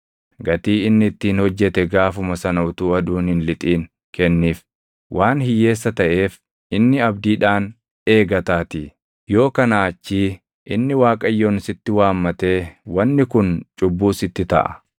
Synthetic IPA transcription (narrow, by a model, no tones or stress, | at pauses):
ɡɐt̪iːɪnːɪɪt̪ːiːnhɔd͡ʒːɛt̪ɛɡaːfʊmɐsɐnɐʊt̪uːɐd̪uːnhɪnlɪt̪ʼiːŋ | kɛnːiːf | wʔaːnhɪjːe̞ːsːɐt̪ɐʔe̞ːf | ɪnːɪɐbd̪iːᶑaːn | e̞ːɡɐt̪aːt̪i | jo̞ːkɐnaːt͡ʃːiː | ʔɪnːɪwaːkʼɐjːoːnɪsɪt̪ːɪwaːmːɐt̪e̞ːwɐnːɪkʊnt͡ʃʼʊbːuːsɪt̪ːɪt̪ɐ̰ʔɐ̰